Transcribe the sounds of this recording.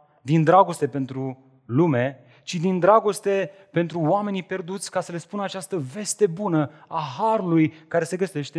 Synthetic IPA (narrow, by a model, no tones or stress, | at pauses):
d̪ind̪ɾaɡo̞st̪e̞pe̞nt̪ɾu | lume̞ | t͡ʃid̪ind̪ɾaɡo̞st̪e̞ | pe̞nt̪ɾuwame̞nipe̞rd̪ut̪sʲkasəle̞spunəat͡ʃast̪əve̞st̪e̞bunəaɦaɾulujkaɾe̞se̞ɡəse̞ʃt̪e